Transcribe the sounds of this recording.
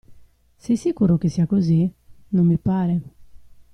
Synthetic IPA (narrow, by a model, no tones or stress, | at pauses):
sesːikuːɾok̟esːiakozi | nomːipaːɾe